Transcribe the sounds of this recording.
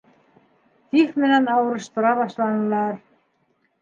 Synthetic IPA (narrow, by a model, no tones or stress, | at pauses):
θixmɪnanaːwɾʏst̪ɾavaslanlaɾ̥